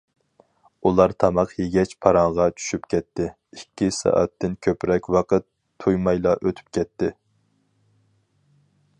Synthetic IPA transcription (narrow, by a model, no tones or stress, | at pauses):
ulˠɑɾt̪ʰɑmɑqjeɡʲɛt͡ʃpʰɑɾɑŋʁɑt͡ʃʰy̥ʃypkʲʰɛt̪ːɪ | ikʲʰːisɑ̰ːʔɛ̰t̪ːɪnkʲʰøpɾɛkʲwɑqʰət̪ʰː | ujmɑjlˠɑʔøt̪ʰy̥p̚kʲʰɛt̪ʰːɪ